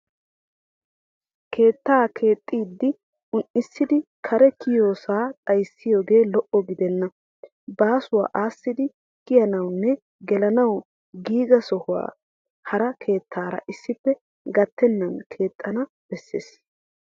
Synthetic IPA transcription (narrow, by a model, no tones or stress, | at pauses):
kʰe̞ːt̪ːaːkʰe̞ːt̪ʼːiːd̪ːɪ | ʊnʔɪsːɪd̪ɪkʰɐɾɛkɪjoːsaːt̪ʼɐjsːɪjo̞ːɡe̞ːlɔʔɔɡɪd̪ɛnːɐ | baːsʊwa̰ːʔaːsːɪd̪ɪ | kɪjɐnɐwnːɛ | ɡɛlɐnɐw | ɡiːɡɐsɔhʊwa̰ː | hɐɾɐkʰe̞ːt̪ʰːaːɾɐ̰ʔɪsːɪpːɛ | ɡɐt̪ːɛnːɐnkʰe̞ːt̪ʼːɐnɐ | b̥ɛsːḛːs